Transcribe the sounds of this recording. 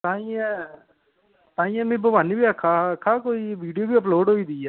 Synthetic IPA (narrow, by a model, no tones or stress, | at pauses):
t̪ãːĩːɛ̃ | t̪ãːĩːɛ̃mẽbəbaːnibiəkʰːakʰːaːkoːiːʋiːɖijoːbiːəp̬loːɖɦoːiːd̪ɪːaː